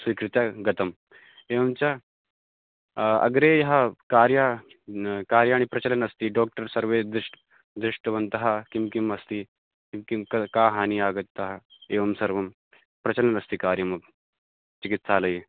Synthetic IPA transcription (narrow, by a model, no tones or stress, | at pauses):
sʋiːkɾut̪jaɡɐt̪ɐm | eːʋɐmt͡ɕja | ɐ̰ɡɾejɦakaːɾja | kaːɾjaːɽ̃ipɾɐt͡ɕɐlənɐst̪iːɖɔːk̚ʈəɾsɐɾʋed̪iʂʈ | d̪ɾiʂʈəʋɐnt̪ɐɦakimkimɐst̪iː | kikikkaɦaːniːaːɡət̪ːɐɦaeːʋɐmsɐɾʋɐm | pɾɐt͡ɕɐlənɐst̪iːkaːɾjɐmɐɡ̚ | t͡ɕikit̪saləi